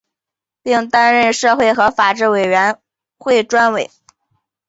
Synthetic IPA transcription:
pi˥˩ŋt̪a˥nɻə˥˧nʂɤ˥˧xwe˥˩ɪxɤ˧˥fa˨˩ʈ͡ʂɻ̩˥˩we˨˩ɪɥɛ˧˥n | xwe˥˩ɪʈ͡ʂwa˥nwe˨˩˦ɪ

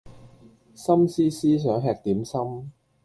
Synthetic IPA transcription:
sɐ˥msiː˥siː˥s̬œː˨˥ŋɦɛː˧k̚t̪iː˨˥msɐ˥m

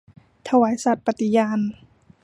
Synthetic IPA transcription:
t̪ʰa˧waː˨˩˦jsa˨˩t̪̚pa˧t̪i˧jaː˧n

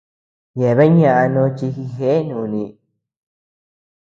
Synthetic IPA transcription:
je˨βe˦ɲã˧ʔa˧nõ˦t͡ʃi˧hi˧ɦe˦ʔe˦nũː˨nĩ˧

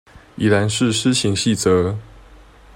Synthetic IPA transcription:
i˨˩la˧˥nʂɻ̩˥˧ʂɻ̩˥ɕi˧˥ŋɕi˥˩t͡sɤ˧˥˦

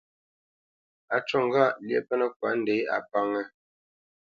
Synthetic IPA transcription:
a˨t͡ʃɔ˦˨ŋ˦ɡa˦˨ljɛ̰˦˨pɛ˦nə˦k̚wa˨˦n̩˨de˨˦a̰˨pa˦ŋɛ˦

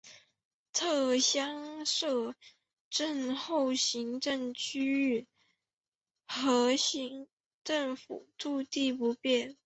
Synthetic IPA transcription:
t̪ʰɤ˥˧ɕjɑ˥ŋʂɤ˥˩˧ | ʈ͡ʂə˥˧nxo˥˩ʊɕi˧˥ŋʈ͡ʂə˥˧ŋt͡ɕʰy˥y˥˩ | xɤ˧˥ɕi˧˥ŋ | ʈ͡ʂə˥˩ŋfṵ˨˩˦ʈ͡ʂu˥˧t̪i˥˩˧pu˧˥pjɛ˥˩n

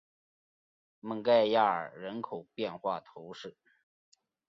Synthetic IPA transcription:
mə˥˧ŋka˥˧ɪja˥˩ə̰˞˨˩ɻə˧˥nkʰo˨˩ʊpjɛ˥˧nxwa˥˩t̪ʰo˧˥ʊʂɻ̩˥˩

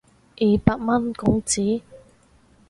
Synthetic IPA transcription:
ʔiː˨˩paː˧k̚mɐ˥nkʊ˨˧˥ŋt͡siː˨˥

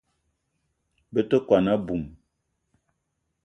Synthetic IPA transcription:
bə˦tə˦kwa˨na˦bu˨m

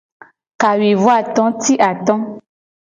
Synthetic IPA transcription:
ka˨wi˨vu˦a˦˨t̪ɔ̃˨˦ti˦ʔa˨t̪ɔ̃˦

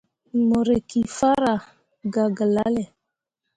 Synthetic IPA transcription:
mo˨ɾe˨ki˨fa˦ɾa˨ | ɡa˨ɡa˨la˦le˨

